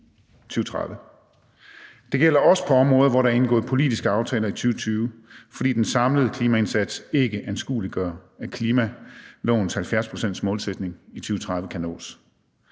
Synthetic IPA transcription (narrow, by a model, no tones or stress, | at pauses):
t͡sʰyːʊət͡sʰʁɑðˠʋə | d̥e̝ɡ̥el̰ɐɒ̽sə̥pʰɒ̽ɒ̽mʁɔ̽ːð̩ˠʋɒɾɑ̈æɐe̝nɡ̥ɔ̽ːðˠpʰo̝lid̥isɡ̥əɑ̈ʊt͡sʰɛːlɐit͡sʰyːʊət͡sʰyːʊfɒd̥ḭːd̥ensɑ̈mləð̩ˠkʰliːmæe̝nsæd̥se̝ɡ̥əʔænsɡ̥ṵːliɡ̥ɶɐækʰliːmælɔ̰ʊ̰ːnshælfjæɐspʰʁo̝sen̰d̥smɔ̽ːlsed̥ne̝ŋit͡sʰyːʊət͡sʰʁɑ̈ðˠʋəkʰæno̰ːs